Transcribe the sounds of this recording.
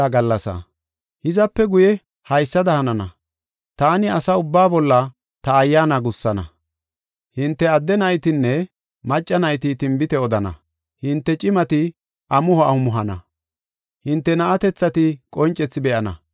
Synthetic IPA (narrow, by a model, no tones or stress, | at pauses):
ɐɡɐlːɐsɐ̰ | hɪzɐpːɛɡʊjɛ | hɐjsːɐd̪ɐhɐnɐnɐ | t̪aːnɪɐsɐʊbːaːbɔlːɐ | t̪ɐːjːaːnɐɡʊsːɐnɐ̰ | hɪnt̪ːɛɐd̪ːɛnɐjt̪ɪnːɛ | mɐt͡ʃʼːɐnɐjt̪ɪt̪ɪmbɪt̪ɛɔd̪ɐnɐ̰ | hɪnt̪ːɛt͡ʃʼɪmɐt̪ɪ | ʔɐmʊhɔɐhʊmʊɦɐnɐ̰ | hɪnt̪ːɛnɐʔɐt̪ɛt͡sːɐt̪ɪkʼɔnt͡ʃʼɛt͡sːɪbɛʔɐnɐ̰